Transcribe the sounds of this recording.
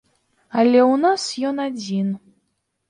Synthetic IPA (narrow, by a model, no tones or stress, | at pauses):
alʲɛwnasjɔnad͡zʲin